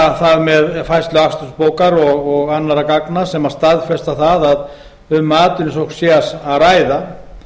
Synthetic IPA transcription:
θaðmɛðfajst̪lʏakst̪ʏnspoːwkaɾɔɣɔɣanːaɾakaknasɛmḁst̪aðfɛst̪aθaðað | ʏmːaːt̪ʏnɪsowksjɛasaðraːjða

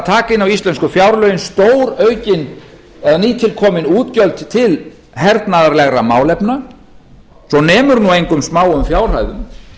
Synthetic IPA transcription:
t̪ʰaːkɪnawist̪ɛnskʏfjaːwɾlœːɥjʏnst̪oːwɾœɥcɪn | ɛðaniːt̪ʰɪlkʰɔːmɪnuːt̪cœlt̪t̪ʰɪl | ɦɛɾt̪naðaɾlɛɣɾamaːwlɛpna | sɔnɛːmʏɾnuejŋkʏmsmaːwʏmfjaːwr̥a̰jðʏm

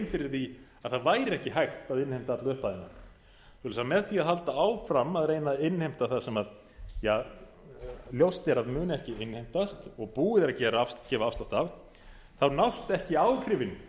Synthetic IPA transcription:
nfɪɾɪɾ̥θiaðθaðvaːjɾɪɛhcɪɦajxt̪aðɪnhejm̥t̪aat̪laʏhpaðɪnːa | θulɛsamɛðθiaðɦalt̪aaːwfɾamːaðɾeːjnaɪnːhejm̥t̪aθasɛmað | ja | ljowst̪ɛɾaðmʏːnɪɛhcɪɪnhejm̥t̪ast̪ɔɣpuːɪðɾacɛːɾaafcɛːvaafst̪awht̪av | θawnawst̪ɛhcɪawr̥ɪvɪn

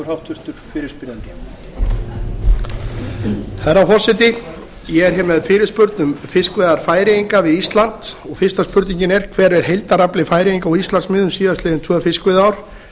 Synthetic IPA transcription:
ɾhawt̪ʰʏɾ̥t̪ʏɾ̥fɪːɾɪspiːɾant̪ɪ | θaɾawɦɔr̥sɛt̪ɪ | jɛɣɛɾ̥çɛmɛðfɪːɾɪspʏɾt̪nʏmfɪskvɛːðaɾ̥faːjɾɪiŋkavɪðist̪lant̪ɔɣfɪst̪aspʏɾt̪niɲcɪnɛɾ̥kʰvɛːɾɛɾ̥ɦejlt̪aɾaplɪfaːjɾɪiŋkaɔist̪lansmɪðʏmsiːðast̪ɪːðɪnt̪ʰvœːfɪskvɪðaːwɾ̥

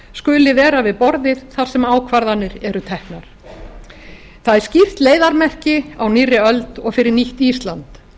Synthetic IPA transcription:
skʏːlɪvɛːɾavɪðpɔɾðɪð̥θaɾ̥sɛmaːwkʰvaɾðanːɪɾɛɾʏt̪ʰɛhknaɾ̥ | θaðɛɾ̥scɪft̪leːjðaɾmɛr̥cɪawnirːɪœlt̪ɔɣfɪɾɪɾniht̪ist̪lant̪

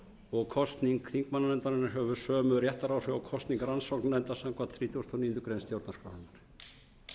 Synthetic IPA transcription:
ɔɣkʰɔst̪niŋkʰɾiŋkmanːanɛnt̪aɾɪnaçœːwvʏsœːmʏɾjɛht̪aɾawrɛakʰɔst̪niŋkɾransɔwknnɛnt̪asaŋkvat̪θɾiːt̪ʰust̪ʰɔniːnt̪ʏkɾejnst̪jowɾt̪askɾawhanːaɾ̥

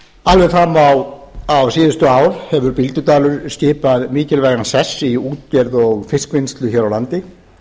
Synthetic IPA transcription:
alvɛfɾamːawawsiːðʏst̪ʏaːwɾ̥hɛvʏɾpɪlt̪ʏt̪aːlʏɾ̥scɪːpaðmiːcɪlvɛːɣnasɛsːiuːt̪ɛɾðɔɣfɪskvɪnst̪lʏçɛːɾawlant̪ɪ

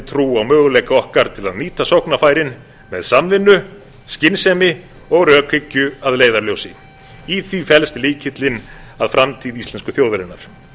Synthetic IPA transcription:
t̪ʰɾuːawmœːɣʏlejkaɔhkaɾ̥t̪ʰɪlaðniːt̪asɔwhknafaːjɾɪn | mɛðsamvɪnːʏ | scɪnsɛmɪ | ɔɣɾœːkʰɪcːʏaðleːjðaɾljowsɪ | iθvifɛlst̪liːcʰɪt̪lɪn | aðfɾamt̪ʰiːðist̪lɛnskʏθjowðɾɪnːaɾ̥

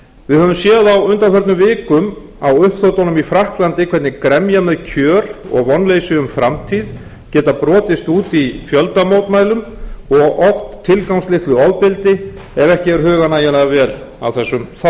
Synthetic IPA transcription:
vɪðhœvʏmsjɛːðawʏnt̪anfɛɾt̪nʏmvɪːkʏm | awʏhpθowt̪awnʏmifɾahklant̪ɪkʰvɛɾt̪nɪkɾɛmjamɛðcʰœːɾɔ̰ɣvɔnːlejsʏʏmfɾamt̪ʰið | cɛːt̪apɾɔːt̪ɪst̪uːt̪ifjœlt̪amoːwt̪maːjlʏmɔɣɔft̪ʰːɪlkawŋslɪht̪lʏɔwðpɪlt̪ɪɛvɛhcɪɛɾɦʏːɣanajɛlaɣavɛːla̰wθɛsːʏmθa

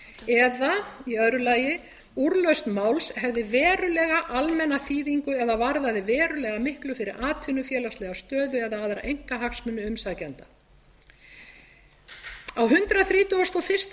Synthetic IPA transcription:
ɛðaiœðɾʏlaːjɪ | uɾlœɥst̪maːwlshɛvðɪvɛːɾʏlɛɣaʔalmɛnːaθiːðiŋkʏɛðavaɾðaðɪvɛːɾʏlɛɣamɪhklʏfɪɾɪɾʔaːt̪ʰʏnʏfjɛːlast̪lɛɣawst̪œːðʏɛðaaːðɾa̰ʔejŋ̥kaɦaksmʏnːʏʏmsaðcɛnt̪a | awɦʏnt̪ɾaθɾiːt̪uast̪ɔfɪ̥st̪

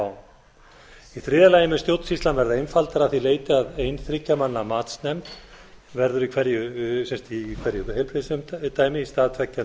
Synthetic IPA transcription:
w | iθɾɪːðalaːjɪmɪst̪jowt̪n̥sist̪anvɛɾðaejnfalt̪aɾaθileːjt̪ɪaðejnθɾɪcːamanːamaːt̪snɛmt̪ | vɛɾðʏɾikʰvɛɾjʏsɛmst̪ikʰvɛɾjʏvhejlpʰɾɪsʏmt̪aːjmɪist̪aːðt̪ʰvɛcːa

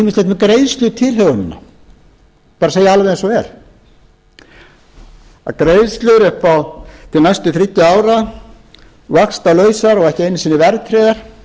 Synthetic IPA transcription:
mɪsleht̪mɛkɾejðst̪lʏt̪ʰɪlɦœwʏnɪnːa̰ | paːɾaseːjaalvejðɛnsɔɛɾ̥ | a̰kɾejðst̪lʏɾɛhpawt̪ʰɪlnajst̪ɪθɾɪc̪ːɪaːwɾa | vakst̪alœːɥsaɾɔɣɛhcɪejnːɪsinɪvɛɾt̪ʰɾeːðaɾ̥

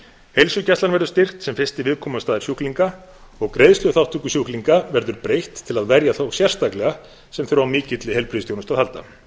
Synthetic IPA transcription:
hejlsʏcɛst̪lanvɛɾðʏɾst̪ɪr̥xt̪sɛmfɪst̪ɪvɪðkʰɔːmast̪aːðɪ̥ɾsjuhkliŋka | ɔɣkɾejðst̪lʏθawht̪ʰːukʏsjuhkliŋkavɛɾðʏɾpɾejht̪ʰːɪlaðvɛɾjaθowsjɛr̥st̪aklɛɣa | sɛmθœɾʏvawmɪːcɪt̪lɪhelpɾiðst̪jownʏst̪ahalt̪a̰

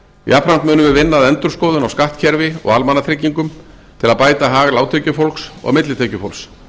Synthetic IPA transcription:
apʰɾant̪mʏːnʏmɪvɪnːaðɛnt̪ʏɾ̥skoːwðʏnawskaht̪cʰɛɾvɪɔ̰ɣalmanːaθʰɾɪcːiŋkʏm | t̪ʰɪlaðpaːjt̪aɦaːɣlaːwt̪ʰœɥcʏfolksɔ̰ɣmɪt̪lɪt̪ʰecʏfolks

